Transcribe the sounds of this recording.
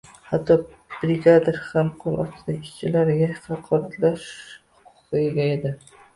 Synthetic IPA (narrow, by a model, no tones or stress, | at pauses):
hat̪ʰːɒ | b̥ɾɪɡʲad̪ɪɾhamqʰolˠʔɒ̰t̪ɪd̪aɪʃt͡ʃʰɪlaɾɡʲahɑqʰɒɾat̪laʃhʊʊqɨeɡʲaed̪ɪ